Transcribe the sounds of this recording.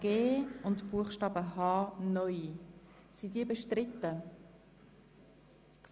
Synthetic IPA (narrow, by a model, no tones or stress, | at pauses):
ɡ̥eːʊntb̥uəχʃtɑːbəɦɑːnœʏi | sidiːbəʃtɾɪt̪ːə